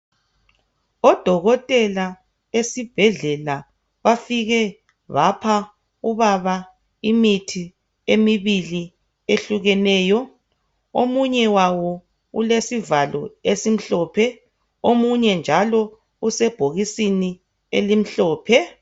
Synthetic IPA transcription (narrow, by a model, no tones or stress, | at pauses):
ɔd̥ʱɔɣɔtʼɛla | esib̥ʱɛɮɛla | βafiɣɛ | βapʰa | uβaβa | imitʰi | emiβili | eɬuɣɛnɛːjɔ | omuɲɛwawɔ | ṵlesivalɔ̰esim̩ɬɔːpʰɛ | omuɲɛnd͡ʒʱalɔ | usɛb̥ʱoɣisini | elim̩ɬɔːpʰɛ